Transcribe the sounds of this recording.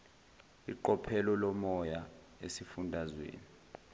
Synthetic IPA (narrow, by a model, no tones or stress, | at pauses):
ḭǃɔpʰɛlɔlɔmɔja | esifundʱazwḛːni